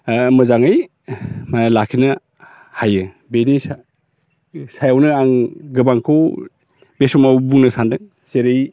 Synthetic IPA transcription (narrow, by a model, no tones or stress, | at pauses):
mɯzaŋaj | manalakʰinɯ | hajɯ | benis | sajawnɯaŋɡɯbaŋkʰɔw | besɔmawbuŋnɯsandɯ | seɾɯj